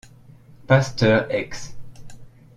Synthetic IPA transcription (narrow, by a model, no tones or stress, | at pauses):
past̪œʁɛks